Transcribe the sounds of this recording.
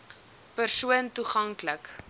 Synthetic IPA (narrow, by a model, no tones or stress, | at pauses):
pərsuəntuχɐŋklək